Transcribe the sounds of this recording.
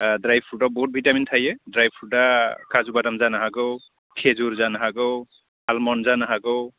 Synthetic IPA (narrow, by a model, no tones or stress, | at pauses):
dɾajb̚pʰuabɔɦut̚bʱitamintʰajedɾajb̚pʰudakazubadamzanaɦaɡɯw | kʰezuɾzanaɦaɡɯw | almɔnzanaɦaɡɯw